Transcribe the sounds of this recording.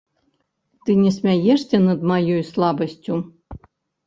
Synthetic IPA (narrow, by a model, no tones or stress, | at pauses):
t̪ɨnʲɛsʲmʲæjɛʂsʲɛnɐd̪majojslˠɑbəsʲt͡sʲu